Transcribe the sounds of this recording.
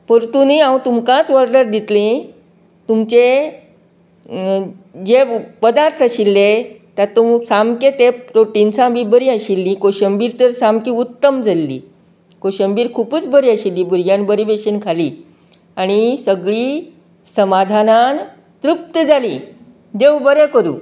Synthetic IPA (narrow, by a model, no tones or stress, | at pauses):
pəɾt̪uniãwut̪umkãt͡sʋəɾɖəɾd̪it̪lẽ | t̪umt͡ɕe | d͡ʑepəd̪aɾt̪ʰəɕilːe | t̪at̪umsamket̪eɾoʈinsãbibəɾiəɕilːĩkoɕəmbiːɾt̪əɾsamkĩut̪ːəmd͡zalːḭː | koɕəmbiːɾkʰuːpəːt͡sbəɾiːəɕilːiːbuɾɡjãnbəɾibeɕənkʰaliː | aɽ̃isəɡɭiː | səmad̪ʱanan | t̪ɾup̚t̪əd͡zalḭː | d̪eʋwbəɾekəɾṵː